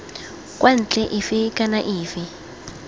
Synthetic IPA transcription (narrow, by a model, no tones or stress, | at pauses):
kʼwʔan̩t͡ɬɛʔɪfɪkanaʔiːfɪ